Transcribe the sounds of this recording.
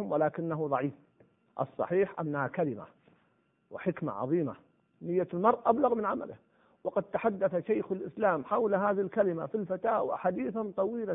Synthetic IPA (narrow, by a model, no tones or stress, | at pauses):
mwɪlaːkɪnːaɦuðˤɑʕiːf | ʔɑ̰sˤːɑ̰ħiːħʔa̰nːahakalɪma̰ | wɪħɪkma̰ʕɑ̰ðˤiːma̰ | nɪjːalmɑɾˤʔʔablaɣmɪnʕama̰lɪ̰h | wɑqɑd̪̚t̪aħad̪ːaθaʃajxalʔɪslaːmħawlɦaːðɪɪlkalɪmafilfat̪aːwaħaːd̪iːθant̪ˤɑwiːla